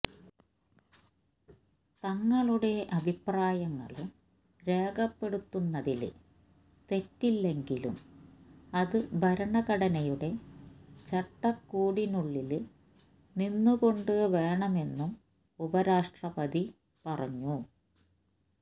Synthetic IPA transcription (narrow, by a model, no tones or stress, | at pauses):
t̪ɐŋːɐɭuɽe̞ɐbʱipraːjɐŋːɐ̰ɭum | ɾe̞ːɡɐpːe̞ɽut̪ːunːɐðilɨ | t̪e̞tːilːe̞ŋɡilṵm | ɐðɨbʱɐɾɐɳɐɣɐɽɐnɐjuɽe̞t͡ɕɐʈːɐkːuːɽinuɭːilɨ | ninːuko̞ɳɖɨʋe̞ːɳɐme̞nːum | ubɐɾaːʂʈrɐpɐd̪i | pɐrɐ̰ɲːu